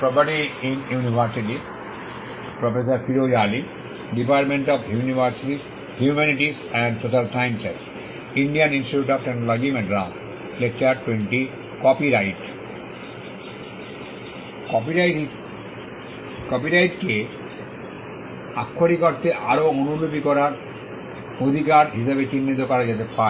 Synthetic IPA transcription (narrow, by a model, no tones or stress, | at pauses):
pɾɔpaʈiĩnjuniʋʱaɾsiʈi | pɾofesaɾpʰiɾod͡ʒaːli | ɖipaɾʈmẽɳʈɔfjunibʱaɾsiʈis | hjumɛniʈis | ɛ̃ɳɖsoʃalsajnsḛss | ĩɳɖianĩnsʈiʈuʈɔfʈɛnolɔɡimɛɖɾam | lek̚t͡ʃaɾʈwẽɳʈi | kɔpiɾajʈ | kɔpi | kɔpiɾajʈke | akʰːoɾikoɾt̪eʔaɾoonubʱobikɔɾaɾ | od̪ʱikaɾɦiʃabet͡ɕinːit̪okɔɾad͡ʑet̪epa